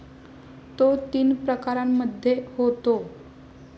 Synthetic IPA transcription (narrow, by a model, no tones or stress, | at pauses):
t̪ot̪iːnpɾəkaɾamːəd̪ʱːjehot̪o